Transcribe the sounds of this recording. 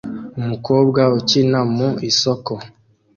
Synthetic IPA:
mukobɡaot͡ʃinamuisɔkɔ

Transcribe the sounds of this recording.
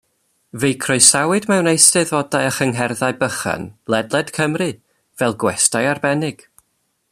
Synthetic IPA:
vejkʰrɔɨsawɨdmɛwnejstɨðɔdajəχəŋɦɛrðaɨbəχa̰nlˠɛdlˠɛd̥kʰəmrɨ | vɛlˠɡwɛstajarbɛnɪɡ̥

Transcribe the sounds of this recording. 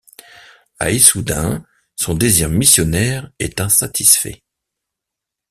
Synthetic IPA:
a̰isud̪ɛ̃ | sɔ̃d̪eziʁmisjɔnɛʁɛt̪ɛ̃sat̪ʰisfɛ̰

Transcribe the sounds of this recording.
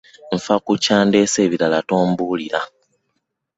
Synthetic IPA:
ɱ̩fakucaːnde̞ːse̞ːβiɾalatoːmbuliɾa

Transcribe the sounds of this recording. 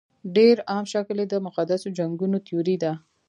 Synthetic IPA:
ɖeɾɑmʃakled̪əmʊqad̪asod͡ʒaŋɡunot̪ijoɾid̪a

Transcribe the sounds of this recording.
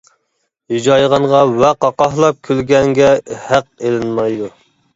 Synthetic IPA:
hid͡ʒɑjʁɑɴʁɑwɛqɑqɑhlˠɑp̚kʲʰylɡʲɛŋɡʲɛhæqelɪnmɑjd̪u

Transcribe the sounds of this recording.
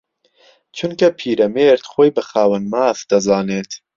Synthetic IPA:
t͡ʃʰʊnkɐpʰiːɾɐmeːɾt̪xoːjbɨxaːwɐnmaːfd̪̥ɐzɑːneːt̪

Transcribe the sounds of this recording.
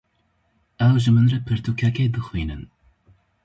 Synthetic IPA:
ɛwʒɨmɨnrɛpʰɨɾt̪ʰukʲʰɛkeːd̪ɨxwiːnɨ̰n

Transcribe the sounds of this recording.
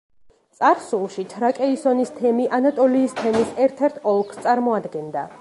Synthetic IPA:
t̪sʼaɾsulˠʃit͡ʃʰɾakʼɛisɔnist̪ʰɛmiʔanat̪ʼɔliːst̪ʰɛmisɛɾt̪ʰɛɾt̪ʰɔlˠkʰst̪sʼaɾmɔad̪ɡɛnd̪a

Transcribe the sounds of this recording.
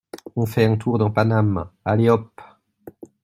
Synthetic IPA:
ɔ̃fɛɑ̃t̪ʰuʁd̪ɑ̃panamaleɔp

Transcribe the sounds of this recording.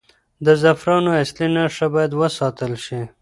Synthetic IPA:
d̪əzafɾɑnoaslinaʂabɑjad̪wəsɑt̪əlʃi

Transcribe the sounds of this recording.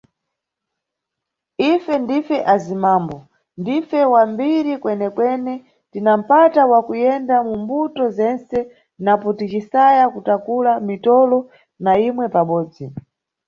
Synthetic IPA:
ifɛndifɛʔazimaːmbɔ | ndifɛwambiɾikwɛnɛkwɛnɛ | tinam̩patawakujɛndamumbutɔzɛnsɛ | napɔtit͡ʃisajakutakulamitɔlɔ | naimwɛpaɓɔːd͡zi

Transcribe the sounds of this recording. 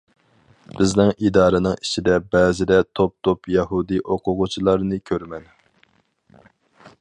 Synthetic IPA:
b̥ɪznɪŋid̪ɑːɾɨnɨŋit͡ʃʰid̪ɛbɛːzɪd̪ɛt̪ʰop̚t̪ʰopjɛɦud̪ɨʔoqʰʊʁʊt͡ʃʰilˠɑɾnɨkʲʰøɾmɛn

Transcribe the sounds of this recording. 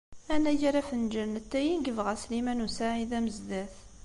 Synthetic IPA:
ænːæʝaɾæfənd͡ʒəɾnət̪ːæjinɡəvʁæslimænusaʕiðæməzd̪æθ

